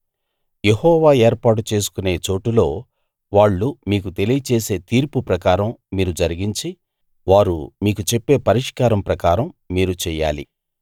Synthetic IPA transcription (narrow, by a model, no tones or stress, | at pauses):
jehɔːʋaːeːɾpaːʈ̬ut͡ʃe̞ːs̬u̥kune̞ːt͡ʃo̞ːʈulo̞ː | ʋaːɭːumiːk̬ut̪e̞lijɐt͡ʃe̞ːse̞ːt̪iːɾpupɾɐkaːɾɐmːiːɾud͡ʒɐɾiɡiɲt͡ʃi | ʋaːɾṵmiːkut͡ʃe̞pːe̞ːpɐɾiʂkaːɾɐmpɾɐkaːɾɐmːiːɾut͡ʃɛːja̰ːlḭ